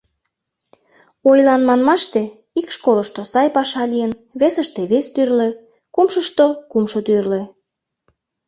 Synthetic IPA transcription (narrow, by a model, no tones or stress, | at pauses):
ojlɑnmɑnmɑʃt̪e | ikʃkoləʃt̪osɑjpɑʃɑlijən | βesəʃt̪eβest̪yrlĕ | kumʃəʃt̪okumʃot̪yrle